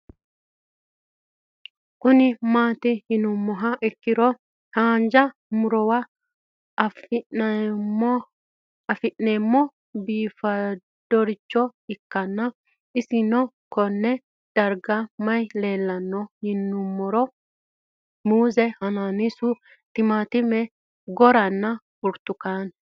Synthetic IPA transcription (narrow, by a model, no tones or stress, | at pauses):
ʔunimaːt̪ɛhinumːɔɦaʔɛkːiɾɔ | haːɲd͡ʒamuɾɔwa | f | fiʔnɛmːɔ | biːfa | d̥ɔɾit͡ʃːɔɪkːɐnːɐ | ɪsɪnɔ | kɔnːɛ | d̪̥ɐɾɡɐmɐjleːlːɐnːɔhɪnːʊmːɔɾɔ | muːzɛhɐnaːnisʊ | t̪ɪmaːt̪ɪmɛ | ɡɔɾɐnːɐ | ʊɾt̪ːʊkaːn